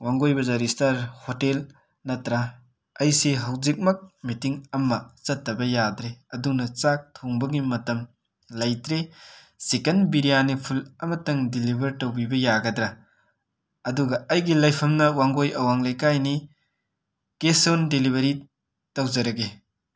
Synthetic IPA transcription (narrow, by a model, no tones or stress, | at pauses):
waŋɡojbɐzaɾistɐɾhotel | nɐtɾa | ɐjseɦɐwzik̚mɐk̚mitiŋɐmːɐt͡ʃɐtːɐbɐjadɾeɐdunɐt͡ʃak̚tʰoŋbɐɡimɐtɐm | lɐjtɾe | sekɐnbiɾijanipʰulɐmɐtɐŋdilibʱɐɾtɐwbibɐjaɡɐdɾɐ | ɐduɡɐɐjɡilɐjpʰɐmnɐwaŋɡojɐwaŋlɐjkajni | kesondilibʱɐɾi | tɐwzɐɾɐɡe